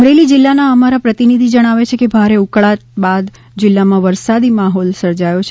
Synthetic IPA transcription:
mɾelid͡ʒɪlːanaəmaɾapɾət̪inid̪ʱid͡ʒəɽ̃aʋet͡ʃʰekebʱaɾeukɭat̪bad̪ | d͡ʒɪlːamãʋəɾsad̪imaɦɔlsəɾd͡ʒajot͡ʃʰ

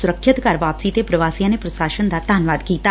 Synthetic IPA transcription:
sʊɾəkʰʃət̪kaɾʋaːpsiːt̪epɾɐʋaːsijãnepɾɐsaːʃənd̪ad̪ʱaːnʋaːd̪kiːt̪a

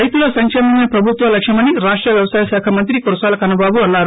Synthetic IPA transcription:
ɐjt̪uloːsɐŋkʂemɐneɐpɾɐbʱut̪ʋɐlɐkʂɐmɐniɾaːʂʈɾɐʋjɐʋɐsaːjɐʃaːkʰɐmɐnt̪ɾikoɾɐsaːlɐkɐnɐbaːbuɐnːaːɾu

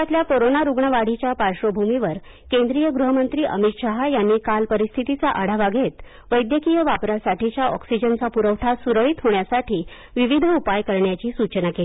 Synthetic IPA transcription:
at̪ljakoɾonaɾuɡɳəʋaɽ̤it͡ɕjapaɾʂəbʱumiʋəɾ | kend̪ɾijəɡɾuɦəmənt̪ɾiːʔəmit̪ɕaɦajanːiːkalpəɾist̪ʰit̪it͡saʔaɽ̤aʋaɡʱet̪ | ʋəjd̪jəkijəʋapɾasaʈit͡ɕjaɔksid͡ʑənt͡sapuɾəʋʈʰasuɾəɭit̪ɦoɳjasaʈʰiː | ʋiʋid̪ʱupajkəɾɳjat͡ɕiːsut͡ɕənakeli

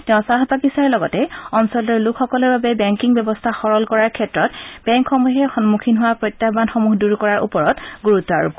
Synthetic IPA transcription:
tɛʊ̃saɦpakisaɹlɔɡɔtɛɔnsɔltɔɹlukʰxɔkɔlɔɹbabɛbɛŋkiŋbjɛbɔstʰaxɔɹɔlkɔɹaɹkʰɛtɹɔtbɛŋkxɔmuɦɛxɔnmukʰinɦʊwapɹɔjtjabanxɔmuɦduɹkɔɹaɹʔṵpɔɹɔtɡuɹutːɔaɹṵb

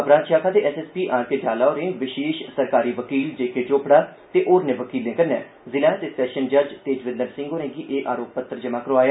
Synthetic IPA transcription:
əbɾãːnʃaːkʰaːd̪eːʔɛːsɛːspiːʔãːɾked͡ʒaːlaːoɾẽːʋɪʃeːʃsəɾkaːɾiːʋəkiːld͡ʒeːkeːʈoːpɽaːt̪eːʔoːɾnẽːʋəkiːlːẽːkəɾnɛ̰ː | zɪlãːt̪eːsɛːʃənd͡ʒəɾd͡ʒt̪eːd͡ʒʋɪ̃nd̪ənsɪ̃ŋɡoːɾɛ̃ːɡiːʔeːʔaːɾoːppət̪ːəɾd͡ʒəmãːkəɾoaːjaː

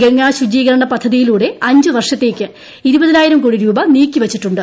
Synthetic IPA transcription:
ɡɐŋːaːɕud͡ʑiːɣɐɾɐɳɐpɐd̪ʱːɐðijiluːɽe̞ɐɲd͡ʑɨʋɐrʂɐt̪ːe̞ːkʲːɨ | iɾubɐðinaːjiɾɐmkuːɽiɾuːbɐniːkʲːiʋɐt͡ɕːiʈːuɳɖɨ

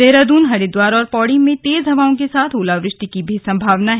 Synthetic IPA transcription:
eɦɾad̪uːnɦɐɽed̪waːɾɔːɾpɔːɽɪmẽt̪eːzɦɐʋaːõkesaːt̪ʰoːlaʋɾɪʃʈikibʱisɐ̃mbʱaːʋnaɦ

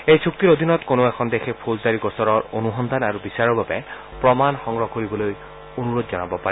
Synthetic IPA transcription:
ejsʰuk̚t̪iɹod̪ʱinɔtkonoɛkʰɔnd̪exɛpʰozdaɹiɡɔsɔɹɔɹonuɦɔnd̪ʱanaɹubisaɹɔɹbabɛ | pɹɔmanxɔŋɹɔkoɹibɔloj | onuɹod̪zɔnabɔpaɹɛ

